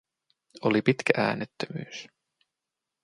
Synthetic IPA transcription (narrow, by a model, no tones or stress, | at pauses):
olipit̪kæʔæ̰ːnet̪ːømy̰ːs